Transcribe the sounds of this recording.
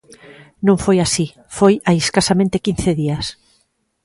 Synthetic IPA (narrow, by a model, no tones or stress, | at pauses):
nõŋfojasi | fojaeskasamẽnt̪ekin̟θeðias